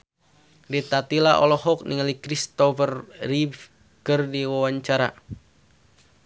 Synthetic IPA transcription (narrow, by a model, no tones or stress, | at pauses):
dit̪at̪ilaʔɔ̰lɔhɔk̚niŋalikɾist̪ɔfərrif | kərdiwawaɲt͡ʃaɾa̰